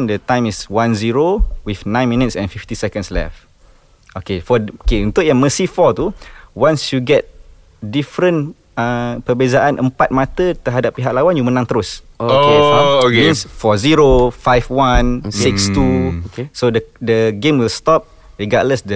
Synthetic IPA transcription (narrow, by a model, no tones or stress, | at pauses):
ndət̪ãj̃miswãnziɹowifnãj̃nmĩnitsɛ̰̃nfift̪isɛkə̃nslɛ̰f | okefɔkeũnt̪ujaməsifɔt̪uwãnsjuɡɛt̪̚ | difɾə̃n | ə̃pəbezaʔãnʔə̰̃mpat̪̚mat̪ət̪əɦadapːiɦak̚lawãnjumənãŋt̪əɾosokokmĩnsfɔziɹofajfwãnsikst̪usodədəɡẽmwilstɔp̚ | ɹiɡaʔləsdə